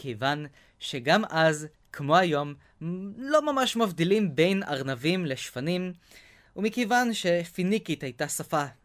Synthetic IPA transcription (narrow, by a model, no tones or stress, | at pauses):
kejvan | ʃe̞ɡamʔaz | kʰmo̞ajo̞m | lo̞mamaʃmavdilimbe̞jna̰ʁnavimle̞ʃfanim | umikejvanʃe̞finikitajtasafa